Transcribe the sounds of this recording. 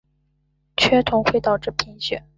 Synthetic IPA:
t͡ɕʰɥɛ˥t̪ʰʊ˧˥ŋxwe˥˩ɪt̪ɑ˨˩ʊʈ͡ʂɻ̩˥˩pʰi˧˥nɕɥɛ̰˨˩˦

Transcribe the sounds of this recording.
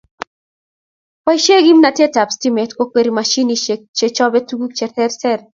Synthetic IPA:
pa˦iʃe˦ɡi˦mna˨tje˦ta˨psti˦mɛ˨tko˦kweɾimaʃi˦niet͡ʃe˨t͡ʃɔ˦bɛ˦tuɡu˦k̚t͡ʃɛtɛ˦ɾsɛ˦ɾ

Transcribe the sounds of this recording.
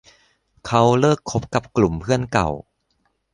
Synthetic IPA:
kʰa˦˥wlɤː˥˩kʰːo˦˥p̚ka˨˩p̚klu˨˩mpʰɯ˥˩ənka̰˨˩w

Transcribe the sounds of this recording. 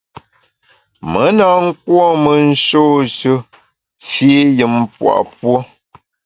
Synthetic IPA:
mə˨˦na˨ŋ̩˦k̚wɔ˦mə˨n̩˦ʃoː˦ʃə˦ | fi˦jɨ˨mpwa̰˨ʔpwo˦

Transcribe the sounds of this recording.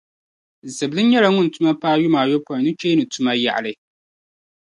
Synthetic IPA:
zɨ˨blɨ˦n˦ɲɛ˦la˦ŋʊ˦n˨tʊ˦ma˦paː˦jʊ˦maː˨jo˦pɔ˨nɨ˦t͡ʃeː˦nɨ˨tʊ˦ma˦ja̰˨ʔa̰˨lɨ˦

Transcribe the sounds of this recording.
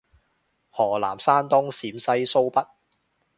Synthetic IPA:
hɔː˨˩la̰ː˨˩msaː˥nt̪ʊ˥ŋsiː˨˥msɐ˥jso˥wpɐ˥t̚

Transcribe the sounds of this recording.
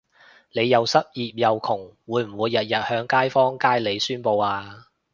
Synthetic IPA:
le˨˧jːɐ˨˧wsɐ˥t̚jiː˨p̚jɐ˨wkʰʊ˨˩ŋwuː˨˧jm̩˨˩wuː˨˧jːɐ˨t̚jɐ˨t̚hœː˨˥ŋkaː˥jfɔː˥ŋkaː˥jle˨˧jsyː˥npo˧waː˧

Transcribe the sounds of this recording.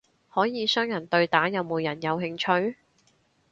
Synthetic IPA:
hɔː˨˥jiː˨˧sœː˥ŋjɐ˨˩nt̪ɵ˧ɥt̪aː˨˥jɐ˨˧wmoː˨˧jɐ˨˩njɐ˨˧wɦɪ˧ŋt͡ʃʰɵ˧ɥ

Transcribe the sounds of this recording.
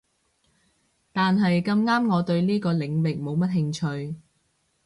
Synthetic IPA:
t̪aː˨nɦɐ˨jkɐ˧mŋaː˥mŋɔː˨˧t̪ɵ˧ɥniː˥kɔː˧lɪ˨ŋwɪ˨k̚mo˨˧wmɐ˥t̚ɦɪ˧ŋt͡ʃʰɵ˧ɥ

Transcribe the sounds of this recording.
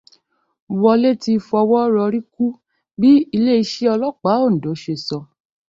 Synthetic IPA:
wɔ˧le˦ti˧fɔ˧wɔ˦ɾɔ˧ɾi˦ku˦ | bi˦i˧le˦i˧ʃe˦ɔ˧lɔ˦k͡pa˨˦o˦˨n̩˨do˨˦ʃe˧˨sɔ˨˧

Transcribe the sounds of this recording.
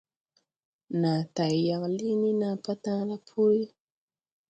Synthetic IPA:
na˨ta˨i˨ja˨ɣa˨li˦ni˦na˨pa˦tã˦la˦pʰu˦ɾi˦

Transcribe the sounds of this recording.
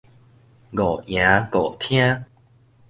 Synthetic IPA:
ɡɔ˨˩jã˨˦ɡo˨˩t̪ʰj̃ã˦

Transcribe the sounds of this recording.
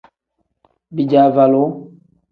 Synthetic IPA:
bi˨d͡ʒa˨va˨lo˨˦

